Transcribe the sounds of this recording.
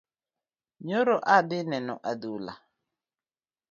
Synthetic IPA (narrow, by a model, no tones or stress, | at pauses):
ɲɔɾɔʔadɪnɛnɔʔadula̰